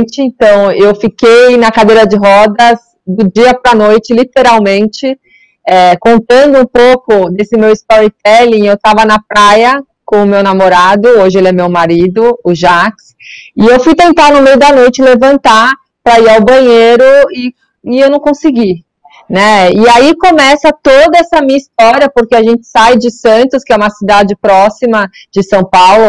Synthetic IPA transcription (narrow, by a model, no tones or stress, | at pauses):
t͡ʃɪẽt̪ɐ̃w̃ewfikejnɐkad̪ejɾɐd͡ʒɪɦɔd̪ɐz | d̪ʊd͡ʒiɐpɾɐnojt͡ʃɪlit̪eɾawmẽnt͡ʃɪ | ɛkõnt̪ɐ̃nd̪ʊũpowkʊd̪esɪmewist̪ɔɾit̪ɛlĩŋewt̪avɐnɐpɾajɐ | kõʊmewnamoɾad̪ʊoʒɪelɛmewmaɾid̪ʊʊʒaks | ɪewfujt̪ẽnt̪anʊmejʊd̪ɐnojt͡ʃɪlevɐ̃nt̪a | pɾɐiɾawbɐ̃ɲeɾʊɪ | ɪewnɐ̃w̃kõsɪɡi | nɛɪaikomɛsɐt̪od̪ɐɛsɐmĩɲɐist̪ɔɾiɐpoɾkeaʒẽnt͡ʃɪ̥sajd͡ʒɪsɐ̃nt̪ʊskɪɛũmɐsid̪ad͡ʒɪpɾɔsimɐd͡ʒɪsɐ̃w̃pawlʊ